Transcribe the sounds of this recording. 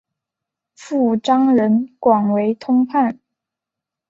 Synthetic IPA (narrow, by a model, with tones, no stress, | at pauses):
fu˥˩ʈ͡ʂɑ˥ŋɻə˧˥nkwɑ˨˩ŋwe˧˥ɪt̪ʰʊ˥ŋpʰa˥˩n